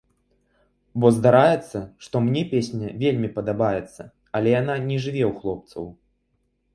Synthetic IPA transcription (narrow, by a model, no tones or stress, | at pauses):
bɔzd̪aɾajɛt̪sːɐʂt̪ɔmnʲɛpʲesʲnʲɐvʲelʲmʲipɐd̪abajɛt̪sːɐ | ɐlʲɛjananʲɛʐɨvʲɛwxlˠɔp̚t̪sɐ̰w